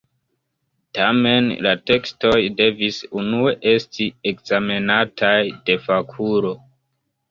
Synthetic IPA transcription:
tame̞nlate̞ksto̞jde̞visunue̞ʔe̞stiekzame̞natʰajde̞fakʰuɾo̞

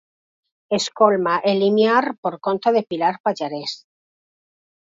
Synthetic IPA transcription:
eskolmaʔelimjaɾpoɾko̞nt̪aðe̞pilaɾpaʎaɾes

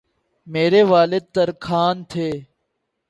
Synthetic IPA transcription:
meːɾeːʋaːlɪd̪̚t̪ɐɾkʰaːnt̪ʰeː

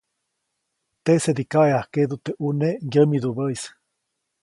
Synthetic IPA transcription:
t̪esed̪ikaeahkeðut̪eʔunejəmiðuβəjs

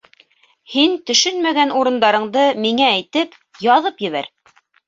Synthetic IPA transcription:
hint̪ɵ̆ʃɵnmæɡænuɾɤ̆nd̪ɑɾɤ̆ɴd̪ɤmiŋæːjt̪ɘp | jɑðɤpjɘ̆βæ̰ɾ

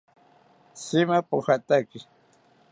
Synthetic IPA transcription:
sɪmapʊhat̪akɪ

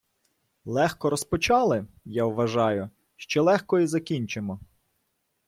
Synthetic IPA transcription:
lˠɛxkɔɾɔspɔt͡ʃɑlˠɪ | jawʋɐʒɑjʊ | ʃt͡ʃɛlˠɛxkɔizɐkʲinʲt͡ʃemɔ

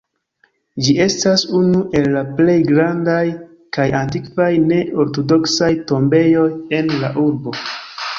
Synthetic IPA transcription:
d͡ʒiʔe̞stasunuʔe̞lːaple̞jɡɾandaj | kajantikvajne̞o̞ɾto̞do̞ksajto̞mbe̞jo̞je̞nla̰ʔuɾbo̞

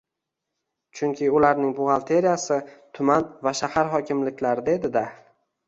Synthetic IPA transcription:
t͡ʃʰʊŋkʲʰɪʊlaɾnɪŋbʊʁalˠt̪ʰe̞ɾijasɪt̪ʰʊmanvaʃahaɾχɒkʲɪmlɪkʲlaɾɪd̪ed̪ɪd̪a

